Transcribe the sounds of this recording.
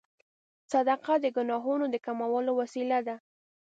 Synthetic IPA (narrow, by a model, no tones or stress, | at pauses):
sad̪aqad̪əɡʊnɑɦunod̪əkamawəlowasilad̪a